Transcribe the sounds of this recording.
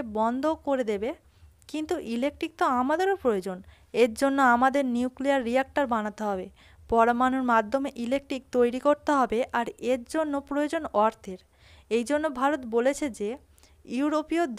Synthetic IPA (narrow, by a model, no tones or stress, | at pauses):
ebɔnd̪ʱokoɾed̪ebe | kint̪uʔilek̚ʈɾik̚t̪oamad̪eɾopɾojod͡ʑon | eɾd͡ʑonːoamad̪eɾniukliaɾːiak̚ʈaɾbanat̪eɦɔbe | pɔɾomanuɾmad̪ʱːomeʔilek̚ʈɾik̚t̪ojɾikoɾt̪eɦɔbeʔaɾeɾd͡ʑonːopɾojod͡ʑonɔɾt̪ʰeɾ | ejd͡ʑonːobʱaɾot̪bolet͡ɕʰed͡ʑe | juuɾopiod̪